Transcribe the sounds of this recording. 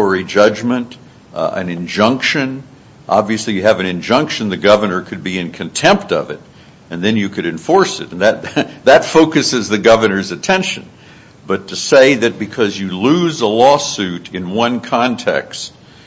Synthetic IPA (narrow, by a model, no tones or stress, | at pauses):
ə˞id͡ʒʌd͡ʒmɨ̃nt | ɨ̰̃nɨ̃nd͡ʒʌ̃ŋkʃɨ̃n | ʔɑ̰bviɨslijɨːvɨ̃nɨ̃nd͡ʒʌ̃ŋkʃɨ̃nðɨɡʌvə˞nə˞kʰɨd̚biɨ̃nkʰɨ̃ntʰɛ̃mp̚tʌ̰vɨɾ | ɨ̃nðɨ̃njɨkʰɨɾɨ̃ɱfɔɹsɨɾn̩ðɨt̪̚ðɨtfoʊkɨsɨzðɨɡʌvə˞nə˞zɨtʰɛ̃nʃɨ̰̃n | b̥ʌtʰɨseɪðɨt̚b̥ɨkʰʌzjɨlʉzəlɔsʉɾɨ̃nwʌ̃nkʰɑ̃ntʰɛ̰kst̚